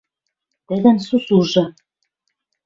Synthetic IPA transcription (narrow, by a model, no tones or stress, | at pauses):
t̪ɘ̆ðæ̆nsusuʒɤ̆